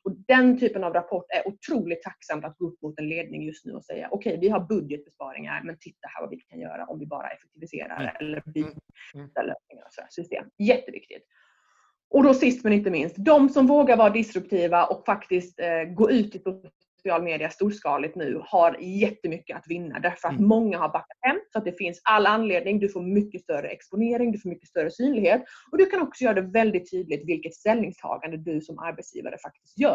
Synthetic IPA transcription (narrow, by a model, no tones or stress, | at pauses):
ɔd̪ɛnt̪ʰyːpənavɾapʰɔʈːæɾʔʊt̪ʰɾuːlɪt̪ʰːaksamt̪at̪̚ɡoːɵpːmʊt̪ɛnleːd̪nɪ̰ŋjɵst̪nʉ̟ːɔsɛ̰jːa̰ʔɔkʰɛjvɪɦaɾbɵd̪jət̪̚bɛspɑ̰ːɾɪ̰ŋa̰ɾmɛnt̪ʰɪt̪ːahæːɾva̰vɪ̰kʰanjœ̰ːɾa̰ʔɔmvɪbɑ̰ːɾa̰ʔɛfɛk̚t̪ʰɪvɪsḛːɾa̰d̪ə̰ʔɛ̰lːəbi | d̪a̰lø̰ːsnɪŋaɾɔsɔd̪æ̰ːsʏst̪ḛːmjɛt̪ːəvɪ̰k̚t̪ɪ̰t̪ | ʔɔd̪ɔsɪst̪mɛnɪnt̪̬əmɪnst̪d̪ɔmsɔmvoːɡaɾvɑːɾaɖɪsɾɵp̚t̪ʰiːvaʔɔkfakt̪ɪst̪ɡoːʉ̟ːt̪ɪsʊ | sɪɑːlmeːd̪ɪast̪uːʂkɑ̰ːlɪt̪nʉ̟̰ːhaɾjɛt̪ːəmʏkːəat̪vɪnːa̰d̪æɾfœɾat̪mɔŋːahaɾbakːat̪hɛmːsɔat̪̚d̪ɛfɪnsalːanleːd̪nɪŋd̪ɵfoːɾmʏkːəst̪œɾə̰ɛ̰kspʊneːɾɪŋd̪ɵfoːɾmʏkːə̥st̪œɾəsyːnlɪɡheːt̪ɔd̪ɵkʰanɔksɔjœːɾad̪ɛvɛld̪ɪt̪ʰːyːd̪lɪt̪vɪlkət̪st̪ɛlnɪŋst̪ʰɑ̰ːɡand̪əd̪ɵsɔmʔa̰ɾbɛt̪sjḭːva̰ɾə̰fak̚t̪ɪ̥st̪jœː